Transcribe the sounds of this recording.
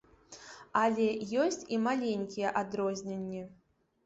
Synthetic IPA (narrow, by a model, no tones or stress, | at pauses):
alʲɛjɔsʲt͡sʲimalʲenʲkʲijɛʔad̪ɾɔzʲnʲenʲːɛ